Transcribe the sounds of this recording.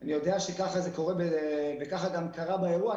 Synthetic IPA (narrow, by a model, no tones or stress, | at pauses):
anijo̞deaʃekaχazeko̞ʁebevekaχaɡamkaʁabaeʁua